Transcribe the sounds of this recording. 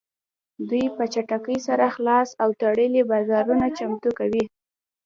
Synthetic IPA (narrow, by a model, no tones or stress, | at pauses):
d̪ujpət͡ʃaʈakəjsaɾaxlɑsawt̪aɽəlebɑzɑɾunat͡ʃamt̪ukawi